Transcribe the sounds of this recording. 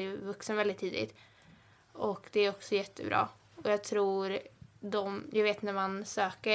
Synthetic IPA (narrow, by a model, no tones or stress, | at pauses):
jvɵksənvɛlɪt̪ʰːiːd̪ɪ̰t̪ | ɔkd̪̥ɛæɾɔksɔjɛt̪ʰːə̰bɾɑ̰ː | ɔjɑːɡt̪ʰɾuːɾd̪ɔmjʔaɡveːt̪næɾmansøːkə